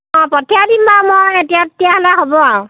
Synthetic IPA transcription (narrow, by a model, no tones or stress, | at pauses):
ɔ̃pɔtʰiadinbamojetijatːijaɦlɛɦobɔaʊ̃